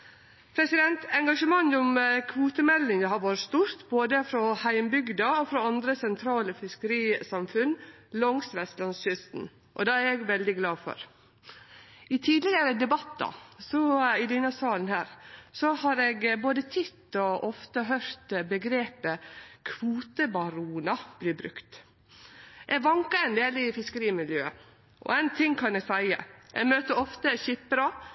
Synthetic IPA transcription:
pʰɾɛsɪd̪ɛnt̪ɛŋɡɑʂəmɑŋːʊmkʰʋuːt̪əmɛlːɪŋd̪əhɑɾʋɑːɾəst̪uɾt̪boːd̪əfɾɔhæɪmbʏɡd̪ɑɔfɾɔɑnd̪ɾəsɛnt̪ʰɾɑːləfɪskəɾiːsɑmfʉnlɔŋsʋɛst̪lɑnsɕʏst̪n̩ | ʔɔ̰d̪ɛːæɾɛɡʋɛld̪ɪɡlɑːfɔ̰ɾ | ɪt̪ʰiːd̪lɪɡəɾəd̪ɛbɑt̪ːd̪ɑ̰sɔɪd̪ɪnəsɑːlnhæːɾsɔhɑɾɛɡboːd̪ət̪ʰɪt̪ːɔʔɔft̪əɦœɾt̪bəɡɾeːpəkʰʋuːt̪əbɑɾuːnɑb̥lɪːbɾʉ̰kt̪ | ʔɛɡʋɑŋkɑɛnd̪eːlɪfɪskəɾiːmɪljøːə | ʔɔ̰æɪnt̪ʰɪŋkʰɑnɛɡsæɪə̰ʔɛ̰møːt̪əɔft̪əçɪpːɾɑ

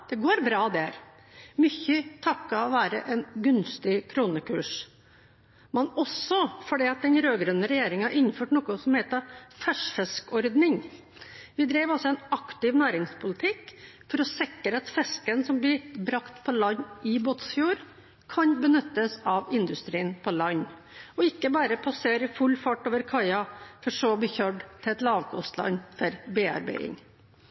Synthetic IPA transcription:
d̪̥ɛɡoːɾbɾɑːd̪æɾ | mʏçːət̪ʰɑkːɑɔʋæːɾə̰ʔɛnɡʉnst̪ɪkʰɾuːnəkʰʉːʂ | mɛnɔsɔfɔɖɛːɑt̪̚d̪ɛnɾøːɡɾœnːəɾɛjeːɾɪŋɑɾʔɪnːføːʈnɔːkʊsɔmheːt̪əfæʂfɛskɔɾd̪nɪŋ | ʋɪd̪ɾeːʋɔsːɔɛnɑkt̪ɪʋnæːɾɪŋspʰʊlɪt̪ʰɪkːfɔɾɔsɪkːəɾəɑt̪fɛskənsɔmblɪbɾɑkt̪pʰɔlɑɲːʔɪboːt̪sfjuːɾ | kʰɑnbənʉt̪ːəsɑʋɪnd̪ʉst̪ɾiːənpʰɔlɑɲː | ɔɪkːəbɑːɾəpʰɑseːɾɪfʉlfɑʈːoːʋəɾkʰɑɪɑfɔʂoːb̪liːçøːɖt̪ʰɪɛt̪lɑːʋkʰɔ̰st̪lɑ̰nːfɔɾbeːɑ̰ɾbæ̰ɪɪ̰ŋ

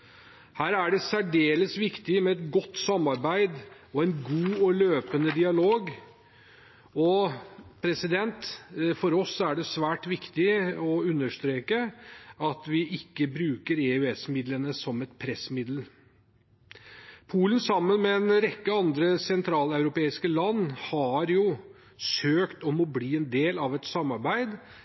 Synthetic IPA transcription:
hæːɾæɖɛsæɖeːləsʋɪkt̪ɪmɛɛt̪ɡɔt̪ːsɑmːɑɾbæɪd̪ | ɔɛnɡuːɔløːpənəd̪ɪɑloːɡ | ɔpʰɾɛsɪd̪ɛnt̪fɔɾɔsːæɖɛsʋæːʈʋɪkt̪ɪɔʉnːəʂt̪ɾeːkəɑt̪ʋɪʔɪkːəbɾʉːkəɾeʉɛsmɪd̪lənəsɔmɛt̪pʰɾɛsmɪd̪l̩ | pʰuːlənsɑmːənmɛɛnɾɛkːəɑnd̪ɾəsɛnt̪ʰɾɑːlɑʉɾʊpeːɪskəlɑnːhɑɾjʊ | søːkt̪ɔmɔbliːɛnd̪eːlɑʋɛt̪sɑmːɑɾbæɪd̪

